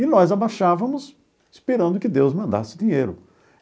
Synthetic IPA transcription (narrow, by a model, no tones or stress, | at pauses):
ɪnɔzabaʃavɐmʊs | ispiɾɐ̃nd̪ʊkɪd̪ewzmɐ̃nd̪a̰sɪd̪ĩɲejɾʊ̰